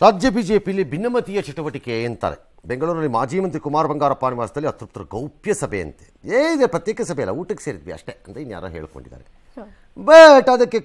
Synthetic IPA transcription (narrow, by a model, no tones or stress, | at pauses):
ɾaːd͡ʒjɐbiːd͡ʒeːpijɐlːibʱinːɐmɐt̪ijɐt͡ʃɐʈuʋɐʈikeent̪a̰ːɾe | beŋɡɐɭuːɾnɐlːimaːd͡ʒiːmɐnt̪ɾikumaːɾbɐŋɡaːɾɐpaːniʋaːsɐd̪ɐlːiɐt̪ɾup̚t̪uɾɐɡɐwpjɐsɐbʱḛɐ̰nt̪e̥eːid̪epɾɐt̪jeːkɐsɐbʱɛjɐlːɐ̰uːʈɐkːe̥seːɾid̪ʋiɐ̰ʂʈeɐnt̪einːja̰ːɾɐ̰ɦeːɭiko̰ɳɖḭd̪ːa̰ːɾe | bɐʈɐd̪ɐkːe